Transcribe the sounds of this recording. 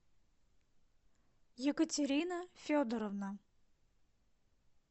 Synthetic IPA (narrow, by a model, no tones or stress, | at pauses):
jɪkətʲɪɾʲinəfʲod̪əɾəvnə